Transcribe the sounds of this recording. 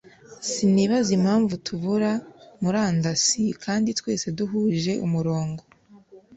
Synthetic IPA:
siniːβazim̥haːɱvutʰuβuɾamuɾaːndasikʰaːnditwe̞ːse̞duɦuːʒe̞ʔumuɾo̞ːŋɡo

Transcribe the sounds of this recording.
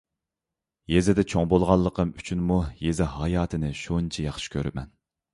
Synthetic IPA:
jezɪd̪ɛt͡ʃʰoŋbolˠʁɑlˠːəqʰəmyt͡ʃʰynmujezɪɦɑjɑːt̪ʰɨnɪʃunt͡ʃʰɛjɑχʃɪ̥kʲʰøɾɪmɛ̰n

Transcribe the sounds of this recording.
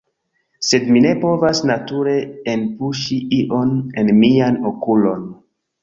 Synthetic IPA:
se̞dmine̞po̞vasnatuɾe̞ːnpuʃiʔiʔo̞ne̞nmianokulo̞n

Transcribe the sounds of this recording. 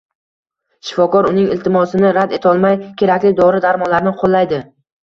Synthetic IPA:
ʃɪ̥fɒkɒɾʊnɪŋɪlt̪ʰɪmɒsɪnɪɾad̪e̞t̪ʰɒlˠmajkʲʰe̞ɾakʲlɪd̪ɒɾɪd̪aɾmɒlaɾnɪqʰolˠːajd̪ɪ

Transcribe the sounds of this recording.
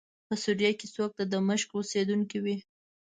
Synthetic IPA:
pəsuɾijakesok̚t̪ad̪əməʃkosed̪uŋkiwi

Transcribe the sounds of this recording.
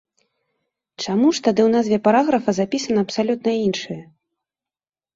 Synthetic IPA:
t͡ʂamuʂt̪ad̪ɨwnazʲvʲɛpaɾaɣɾɐfɐzapʲisɐnɐːpsalʲut̪̚nɐinʂɨjɐ

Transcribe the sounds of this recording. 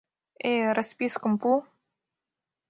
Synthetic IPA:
eɾəspiskəmplu

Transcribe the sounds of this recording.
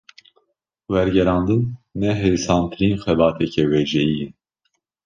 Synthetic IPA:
wɛɾɡɛɾɑːnd̪ɨnːɛɦeɾisɑːnt̪ʰɨɾiːnxɛbɑːt̪ʰɛcʰɛwɛʒɛjin

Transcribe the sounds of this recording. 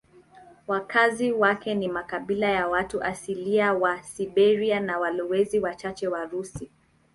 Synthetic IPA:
wakʰaziwakɛnimakaɓilajawatuʔasiliawasiɓɛɾianawalɔwɛziwat͡ʃat͡ʃɛwaɾusi

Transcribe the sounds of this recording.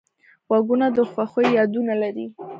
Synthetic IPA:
waɡunad̪əxwaxojjɑd̪unalaɾi

